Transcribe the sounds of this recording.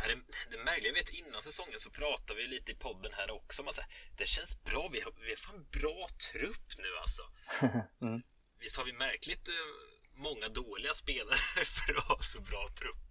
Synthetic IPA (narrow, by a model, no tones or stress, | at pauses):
ɛɾɛd̪ɛmæɾklɪɡvet̪ɪnːansɛsɔŋːənsɔpʰɾɑːt̪avɪjliːt̪əɪpʰɔd̪ːənhæːɾɔksɔɔmat̪sɛ̰ːɾd̪̥ɛæɕɛnsbɾɑːvɪhavɪhaɾft̪ːɛnbɾɑːt̪ʰɾɵpːnʉ̟ːa̰lsɔ | vɪst̪haɾvɪmæɾklɪt̪ | mɔŋːad̪oːlɪɡaspeːlaɾəfœɾɔhɑːsɔbɾɑːt̪ʰɾɵpː